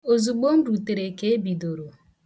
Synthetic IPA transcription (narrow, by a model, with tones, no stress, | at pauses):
o˨zu˨ɡ͡bo˦m̩˦ɾu˨te˨ɾe˨ke˦e˦bi˨do˨ɾo˨